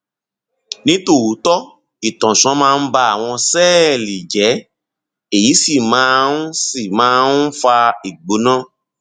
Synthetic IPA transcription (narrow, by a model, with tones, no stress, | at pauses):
nĩ˦to˦˨u˨˦tɔ˦ | i˨tɔ̃˨sɔ̃˨˦mãː˦˧n̩˦ba˧a˦˨w̃ɔ̃˧sɛː˦˨li˨d͡ʒɛ˨˦ | e˦˨ji˨˦si˦˨mãː˨˦n˦si˦˨mãː˦n˦fa˧i˨ɡ͡bo˨˦nã˦